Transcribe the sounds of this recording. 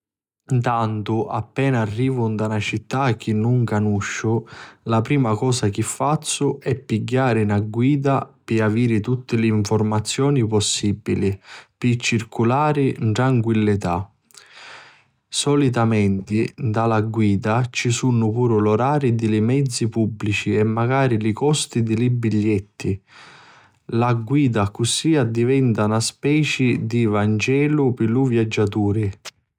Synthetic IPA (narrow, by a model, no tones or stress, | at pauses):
nt̪ant̪ʊʔapːɛːnaːrːiːvʊnd̪anat͡ʃit̪ːak̟ːinːuŋkanuʃːʊlapɾiːmakɔːsak̟ifːat̪sːʊɛpːiɡːaːɾɪnaɡwiːd̪apɪaviːɾɪt̪ut̪ːɪlɪːɱfɔrmat̪sːjɔːnipɔsːibːilipit͡ʃːirkulaːɾɪʈɾaŋkwilːit̪a̰ | sɔlit̪̬amɛnt̪id̪alaɡwiːd̪at͡ʃisunːʊpuːɾʊlɔɾaːɾid̪ilimɛd̪zːipubːlit͡ʃiɛmːaɡaːɾilikɔst̪id̪ilibːiʎːɛt̪ːi | laɡwiːd̪akːusiad̪ivɛnt̪anaspɛːt͡ʃid̪ivand͡ʒɛːlupɪluvjad͡ʒːat̪uːɾi